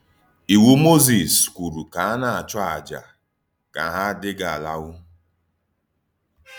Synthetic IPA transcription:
i˨wu˦mo˦zi˨skʷu˨ɾu˨ka˨a˦na˨a˨t͡ʃɔ˦a˨d͡ʒa̰˨ | ka˨ɦa˦dɪ˦ɡa˨a˨la˦wʊ˦

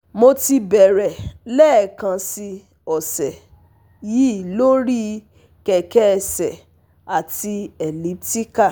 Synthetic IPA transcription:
mo˧ti˧bɛ˨ɾɛ˨lɛ˦ɛ˨kã˧si˧ | ɔ˨sɛ˨ | ji˦˨lo˦ɾi˦ | kɛ˨kɛ˦˧˨sɛ˨ | a˨ti˧ɛ˨li˨˦p̚ti˦ka˦˨

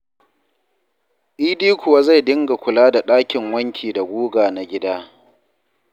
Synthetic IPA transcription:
ʔiː˦diː˦kʰʷʊ˨wa˦za˦˨jdɪ˦ŋɡa˨kʷʊ˨laː˦da˨ɗaː˦kʲɪ˨ŋwɐ˦ŋkʲʰiː˨da˨ɡʷuː˦ɡaː˨na˨ɡʲɪ˦daː˦

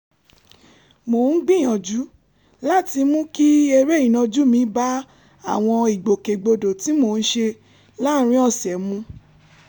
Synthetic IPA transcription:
mo˨n̩˦ɡ͡bĩ˦˨j̃ɔ̃˨d͡ʒu˨˦ | la˦˨ti˧mũ˦ki˦e˧ɾe˦i˨nɔ̃˧d͡ʒu˦mĩ˧˦ba˦ | a˦˨w̃ɔ̃˧i˨ɡ͡bo˨ke˨ɡ͡bo˧do˨ti˨˦mo˧˨n̩˦ʃe˧ | la˦˧ɾ̃ĩ˦ɔ˦˨sɛ˨mũ˧˦

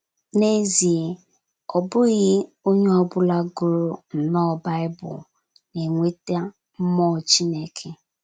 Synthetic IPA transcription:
ne˦zi˨ | ɔ˨bʊ˦ɣɪ˦ | o˦ɲe˦ɔ˦bʊ˦la˦ɡʊ˨ɾʊ˨n̩˨nɔ˦˨ba˦ɪ˦bʊ̰˨ | ne˨ŋʷe˦ta˦ | m̩˦mɔ˦˨t͡ʃi˦ne˦kʰe˦

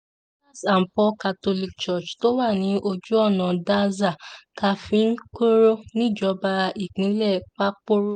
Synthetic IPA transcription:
a˦˨sa˨m̩˨pɔ˧˦ka˧to˧li˦˨k̚t͡ʃɔ˦˨t͡ʃto˦wa˦˨nĩ˨˦ʔo˧d͡ʒu˦ɔ˦˨nã˨da˦za˦˨ka˧fĩ˧˦n̩˦ko˦ɾo˦nĩ˦˨d͡ʒɔ˨˦ba˧i˨k͡pĩ˨˦lɛ˦˨k͡pa˦k͡po˦ɾo˦

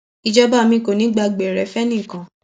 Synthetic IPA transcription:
i˧d͡ʒɔ˦ba˦˨mĩ˦ko˨nĩ˨˦ɡ͡ba˧ɡ͡bɛ˨ɾɛ˨˦fɛ˦nĩ˦˨kã˨

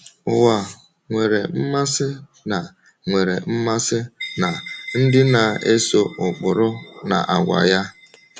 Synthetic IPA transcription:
ʊ˨wa˨ | ŋʷe˨ɾe˨m̩˦ma˦sɪ˦ | na˨ | ŋʷe˨ɾḛ˨m̩˦ma˦sɪ˦na˨n̩˦dɪ˦na˨e˦so˦ʊ˨k͡pʊ˨ɾʊ˦na̰˨ʔa˨ɡʷa̰˨ja˦

